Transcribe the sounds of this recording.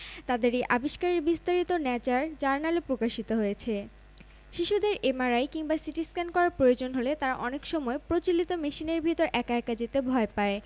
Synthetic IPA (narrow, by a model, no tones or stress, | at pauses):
t̪ad̪eɾiʔabiʃkaɾeɾbist̪aɾit̪onɛt͡ɕaɾd͡ʑaɾnalepɾokaʃit̪oɦojet͡ɕʰe | ʃiʃud̪eɾemaɾajkiŋbasiʈiskankɔɾaɾpɾojod͡ʑonɦolet̪aɾa̰ʔɔnekʃɔmɔepɾot͡ɕilit̪omeʃineɾbʱit̪oɾʔɛkaɛkad͡ʑit̪ebʱɔepae